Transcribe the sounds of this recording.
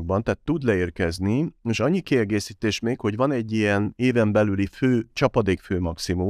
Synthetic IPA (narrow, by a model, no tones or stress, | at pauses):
ɡ̚bɒnt̪ɛːt̪ːud̪lɛeːrkɛznieːʃɒɲːikiɛɡeːsiːt̪eːʃmeːkho̞ɟvɒnɛɟːiɛneːvɛmbɛlyliføːt͡ʃɒpɒd̪eːkføːmɒksimu